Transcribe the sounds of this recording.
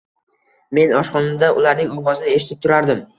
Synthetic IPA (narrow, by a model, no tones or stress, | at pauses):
me̞nɒʃqɒnɪmd̪aʔʊlaɾnɪŋɒʁɒzɪnɪeʃɪt̪ʰɪ̥p̚t̪ʰʊɾaɾd̪ɪm